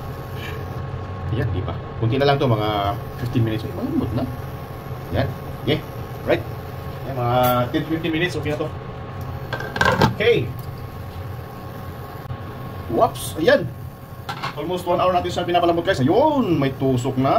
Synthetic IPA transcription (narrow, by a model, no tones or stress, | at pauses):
ɐjand̪ḭba̰ | kʊnt̪ɪnɐlaŋt̪omɐŋa | fɪft̪ɪnminɪt̪sɐjmɐlambʊt̪̚na | ja̰n | kɛ | ɹajt̪̚ | jamɐŋat̪ɛnfift̪ɪnminɪt̪sʔoːkɛnɐt̪o | okej | wapsɐjan | ʔolmost̪̚wanʔaːɾawnaːt̪ɪnsaɐpɪnaːpɐlɐmbʊt̪̚kajosɐjonmɐjt̪uːsʊk̚na